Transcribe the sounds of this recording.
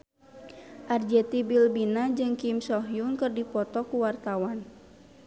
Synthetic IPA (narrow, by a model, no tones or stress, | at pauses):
ʔard͡ʒɛt̪ibilbinad͡ʒɨŋkimsɔɦjuŋkɨrdipɔt̪ɔkuwart̪awan